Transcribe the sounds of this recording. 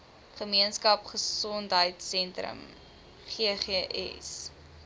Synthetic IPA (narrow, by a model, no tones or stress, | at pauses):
χəmiənskɐpχəsɔntɦəjtsɛntrə̰m | χeəχeəʔɛ̰s